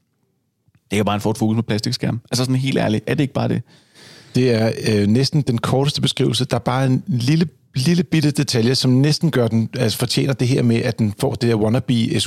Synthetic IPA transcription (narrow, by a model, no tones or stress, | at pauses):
d̥ekʰæbɑ̈ːenfɒːd̥fo̝ːkusmʰɒpʰlæsd̥iɡ̥sɡ̥æɐ̰mælsəsɒ̽nɦe̝̰ːld̥æɐliʔæɐd̥e̝e̝ɡ̥əb̥ɑ̈ːd̥e̝ | d̥e̝æɐønesd̥n̩d̥enkʰɒːɾ̥əsd̥əb̥e̝sɡ̥ʁḭːʊl̩səd̥ɑ̈æɐb̥ɑ̈ːenlilə | liləb̥id̥əd̥e̝t͡sʰæljɐsɒ̽mnesd̥n̩ɡ̥ɶɐd̥enæsfɒ̽t͡ɕʰjḛːnɐd̥e̝ɦeɐ̰meʔæd̥enfɒ̰ːd̥e̝d̥eɐ̰wɒnɐb̥ḭes